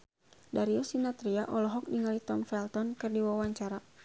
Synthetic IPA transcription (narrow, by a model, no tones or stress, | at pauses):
daɾiɔsinat̪ɾiaʔɔlɔɦɔk̚niŋalit̪ɔmfɛlt̪ɔnkɨrdiwawaɲt͡ʃaɾa